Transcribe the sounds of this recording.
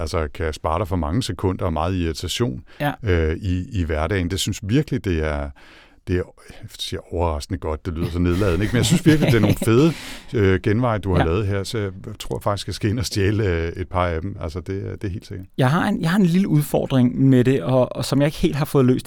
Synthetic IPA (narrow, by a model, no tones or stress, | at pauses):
ælsəkʰæjɑsb̥ɑ̈ːɾ̥ɑ̈fɒ̽mɑ̈ŋəsekʰɔ̽n̰d̥ɐ̽ːmɑ̈ːð̩ˠiʁit͡sʰæɕo̝̰ːnøiːʋæɐd̥ɛ̰ɪn̩d̥e̝synsʋiɐɡ̥əlid̥e̝æɐ | d̥e̝æɐ | siɐ̰ɒʊɐʁɑ̈sɡ̥nəɡ̥ɒ̽d̥̚d̥e̝ly̰ð̰ˠɐs̬ɒ̽ne̝ð̞ˠlɛ̰ːð̩ˠneɡ̥menjaɪsynsʋiɐɡ̥lid̥eɐno̝ːn̩feðˠəøɡ̥enʋɑ̈ɪ̰d̥uhɑ̈lɛːð̞̩ˠɦeɐ̰sɒ̽jaɪt͡sʰʁo̝ɐ̰fɑ̈ɡ̥isɡkʰːæsɡ̥e̝̰enɒ̽sd̥jeːle̝d̥̚pʰɑ̈æd̥m̩ælsəd̥e̝d̥e̝æhe̝̰ːld̥se̝ɡ̥ɐd̥jɑɪɦɑ̈enjɑ̈ɪhɑ̈e̝nliləuð̞ˠfɒ̰ːd̥ʁeŋmeɾ̥e̝ɒ̽sɒ̽mjɑ̈e̝ɡ̥he̝̰ld̥ɦɑ̈fɔ̽ːðˠlø̰ːsd̥